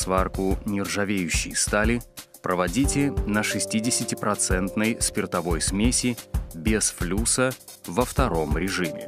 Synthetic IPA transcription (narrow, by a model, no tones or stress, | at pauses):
svarkʊnʲɪrʐɐvʲejʉɕːɪ̰jst̪alʲɪpɾəvɐdʲitʲɪnəʂɨsʲtʲidʲɪsʲɪtʲɪpɾɐt̪sɛnt̪nəjspʲɪrt̪ɐvo̞jsmʲesʲɪbʲɪsflʲusə | vəft̪ɐɾo̞mɾʲɪʐɨmʲɪ̰